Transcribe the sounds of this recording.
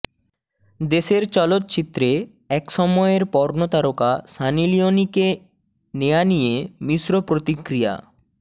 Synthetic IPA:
d̪eʃeɾt͡ɕɔlot̪̚ːt͡ɕit̪ːɾe | ɛkʃɔmɔeɾpɔɾnot̪aɾokaʃanilionike | nejanijemiʃɾopɾot̪ikɾija̰

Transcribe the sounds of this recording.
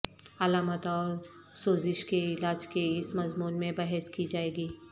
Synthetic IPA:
ɐlaːmət̪ɔːɾ | soːzɪʃkeɪlaːd͡ʒkeɪsmɐzmuːnmẽbɐɦɛskid͡ʒaːeːɡiː

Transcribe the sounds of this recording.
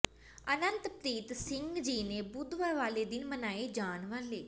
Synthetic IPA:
ənənt̪pɾiːt̪sɪŋɡd͡ʒiːneːbʊd̪ʋaːʋaːleːd̪ɪnmənaːeːd͡ʒaːnʋəleː

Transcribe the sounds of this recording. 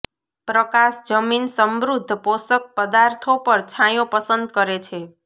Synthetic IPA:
pɾəkaʃd͡ʒəminsəmɾud̪ʱːəposək̚pəd̪aɾt̪ʰopəɾt͡ʃʰãjõpəsənd̪̚kəɾet͡ʃʰe

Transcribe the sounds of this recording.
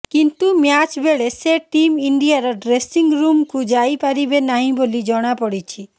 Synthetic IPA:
kint̪umjat͡ʃbeɭeseʈimiɳɖiaɾɔɖɾesiŋɾumkud͡ʒajpaɾibenaɦĩbolid͡ʒɔɽ̃apɔɽit͡ʃʰi

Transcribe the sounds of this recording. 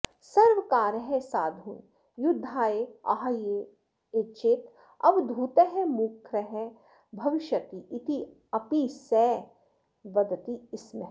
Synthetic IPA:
sɐɾʋkaːɾəɦɛ̃saːd̪ʱuːn | jʊd̪ʱːaːeɐ̰ɦje | et͡ʃeːt̪ | ɐʋd̪ʱuːt̪eɦɛmukʰɾɛɦɛ | bʱɐʋɪʃjɐt̪iʔɪt̪ʰi | ɐpisɛː | ʋɐd̪t̪iɪsm

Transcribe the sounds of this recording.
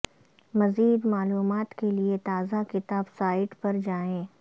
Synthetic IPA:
mɐziːd̪maːluːmaːt̪keliet̪aːzakɪt̪aːbsaːɪʈpɐɾd͡ʒaːẽː

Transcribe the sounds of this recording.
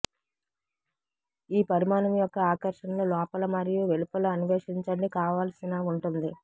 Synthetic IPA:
iːpɐɾimaːnɐmjɔkːɐaːkɐɾʂɐnɐnulɔːpɐlɐmɐɾijuʋelupɐlɐɐnuʋeːʂiɲt͡ʃɐnikaːʋaːlɐsinaːuɳʈund̪i

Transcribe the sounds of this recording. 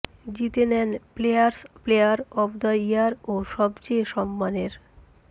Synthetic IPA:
d͡ʑit̪enɛnplejaɾsplejaɾɔbd̪ajaɾoʃɔbt͡ɕeʃɔmːaneɾ

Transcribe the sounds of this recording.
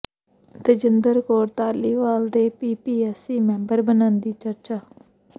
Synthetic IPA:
d̪əd͡ʒɪnd̪əɾkoːɾt̪aːliːʋaːld̪eːpiːpiːɛːsiːmɛ̃ːmbəɾbənãːnd̪iːt͡ʃəɾt͡ʃaː

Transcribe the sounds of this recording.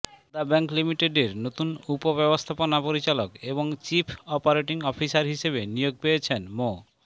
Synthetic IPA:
d̪abɛŋklimiʈeɖeɾnot̪unupobɛbost̪ʰaponapoɾit͡ɕalokeboŋt͡ɕipʰɔpaɾeʈiŋɔpʰisaɾɦiʃeβenijoɡ̚pejet͡ɕʰenmo

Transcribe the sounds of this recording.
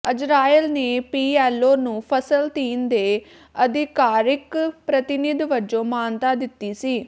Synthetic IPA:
əd͡ʒɾaːilneːpiːɛːlːoːnũːpʰəsəlt̪iːnd̪eː | əd̪ɪkaːɾɪkpɾət̪ɪnɪd̪ʋəd͡ʒõːmaːnt̪aːd̪ɪt̪ːiːsiː

